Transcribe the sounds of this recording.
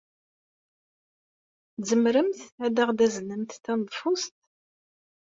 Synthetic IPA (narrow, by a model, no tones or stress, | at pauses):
zəmɾəmθæd̪æʁd̪æzənəmθθænðˤfʊst̪